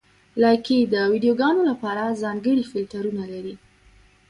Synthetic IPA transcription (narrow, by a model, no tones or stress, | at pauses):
laked̪əwidijoɡɑnolapɑɾazɑŋɡəɽifɪlt̪aɾunalaɾi